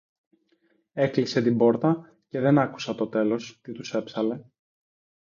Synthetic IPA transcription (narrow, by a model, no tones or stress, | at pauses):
e̞klise̞t̪ibo̞ɾt̪ɐ | ce̞ðe̞nɐku̥sɐt̪o̞t̪e̞lo̞st̪it̪use̞psɐle̞